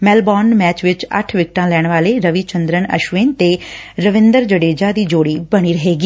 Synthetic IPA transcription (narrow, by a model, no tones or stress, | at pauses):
mɛːlbɔːnmɛːt͡ʃʋɪt͡ʃə̰ʈʰʋɪk̚ʈãːlɛːɽ̃ʋaːleːɾəʋiːt͡ʃənd̪ɾəɳə̰ʃʋeːnt̪eːɾəʋɪnd̪əɾd͡ʒəɽeːd͡ʒaːd̪iːd͡ʒoːɽiːbəɽ̃iːɾəɦeːɡiː